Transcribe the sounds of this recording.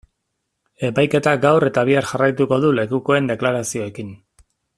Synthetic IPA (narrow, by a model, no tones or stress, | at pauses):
e̞pajke̞t̪aɡawɾe̞t̪aβ̞iaɾʝarajt̪uko̞ðule̞kuko̞e̞nd̪e̞klaɾasio̞e̞kin